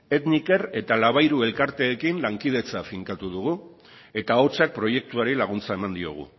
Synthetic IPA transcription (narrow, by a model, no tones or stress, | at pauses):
e̞t̪nike̞ɾe̞t̪alaβ̞ajɾue̞lkaɾt̪e̞ːkinlaŋkið̞e̞t͡safiŋkat̪uð̞uɣ̞u | e̞t̪ao̞t͡sak̚pɾo̞je̞k̚t̪uaɾilaɣ̞unt͡sae̞mand̪io̞̰ɣ̞ṵ